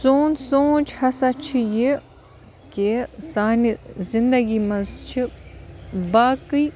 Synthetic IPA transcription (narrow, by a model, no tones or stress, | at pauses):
soːnsoːt͡ʃʰhɐsat͡ʃʰije | kesaːnizind̪ɐɡimɐzt͡ʃʰi | baːkɨi